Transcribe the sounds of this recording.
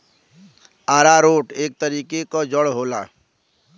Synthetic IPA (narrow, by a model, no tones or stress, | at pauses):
aːɾaɾoːʈeːk̚t̪əɾiːkekod͡ʒəɽɦoːla̰ː